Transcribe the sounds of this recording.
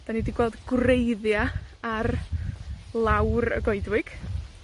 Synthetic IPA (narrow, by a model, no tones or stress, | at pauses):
d̥anidiɡwɛlˠdɡrejðjaar | lˠawrə̰ɡoɨdwɪɡ̥